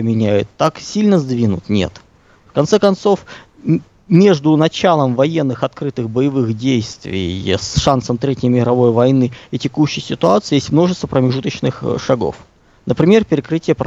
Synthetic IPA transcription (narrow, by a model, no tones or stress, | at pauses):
mʲɪnʲæjʊ̰t̪ːaksʲilʲnəzd̪vʲinʊt̪nʲe̞̰t̪ | fkɐnt̪sɛkɐnt̪so̞f | mʲe̞ʐd̪ʊnɐt͡ɕalˠəmvɐjenːɨxɐt̪kɾɨt̪ɨxbəjɪvɨxdʲejst̪vʲɪ̰jsʂansəmt̪ɾʲetʲɪjmʲɪɾɐvo̞jvɐjnɨɪtʲɪkuɕːɪjsʲɪt̪ʊat̪sɨjesʲtʲmno̞ʐɨst̪vəpɾəmʲɪʐut̪ət͡ɕnɨxʂɐɡo̰f | nəpɾʲɪmʲe̞rpʲɪɾʲɪkɾɨtʲɪjəp